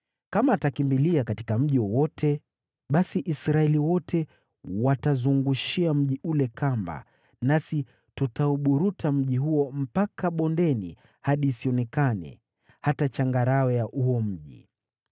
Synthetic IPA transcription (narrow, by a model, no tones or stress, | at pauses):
kamaːtakimbiliakatikam̩ʄiwɔwɔtʰɛ | ɓasiʔisɾaɛliwɔtʰɛ | watazuŋɡuʃiam̩ʄiulɛkamba̰ | nasi | tutauɓuɾutʰam̩ʄiɦuɔm̩pakaɓɔndɛni | haɗiːsiɔnɛkanɛ̰ | hatat͡ʃaŋɡaɾaɛjaʔuɔm̩ʄḭ